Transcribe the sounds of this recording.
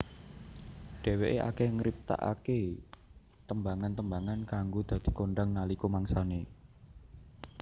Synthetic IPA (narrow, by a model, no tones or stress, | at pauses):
ɖ̥e̤weʔeʔa̰keŋɾip̚t̪a̰ʔa̰ke | t̪əmbaŋant̪əmbaŋankaŋɡod̪̥ä̤d̪̥i̤koɳɖaŋnalikomaŋsane